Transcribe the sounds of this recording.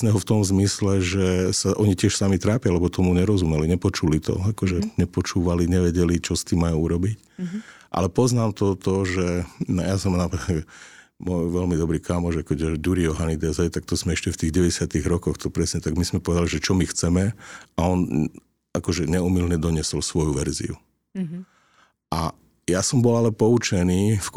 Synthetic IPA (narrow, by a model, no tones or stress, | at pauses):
nɛɦɔft̪ɔmzmislɛʒɛsaʔɔɲicɪɛʃsamit̪ɾaːpjalɛbɔt̪ʰɔmuɲɛɾɔzumɛliɲɛpɔt͡ʃulit̪ɔ̰akɔʒɛɲɛpɔt͡ʃuːʋaliɲɛʋɛɟɛlit͡ʃɔst̪imːajuuɾɔbic | ʔa̰lɛpɔznaːmt̪ɔt̪ɔʒɛjasɔmnapad̪ɛ | mɔjʋɛlmid̪ɔbɾiːkaːmɔʒɛkɛɟɔɟuɾiɔɦanid̪ɛzat̪ak̚t̪ɔzmɛɛʃcɛft̪iːɣɟɛʋɛɟɛsɪat̪iɣɾɔkɔxt̪ɔpɾɛsɲɛt̪aɡmizmɛpɔʋɛd̪aliʒɛt͡ʃɔmixt͡sɛmɛaɔn | akɔʒɛɲɛumilɲɛd̪ɔɲɪɛsɔlsʋɔjuʋɛɾzḭṵ | ʔa | jasɔmbɔlalɛpɔut͡ʃɛniːf